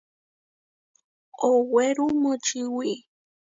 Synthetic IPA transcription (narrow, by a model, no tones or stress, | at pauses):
oweɾumot͡ʃiwi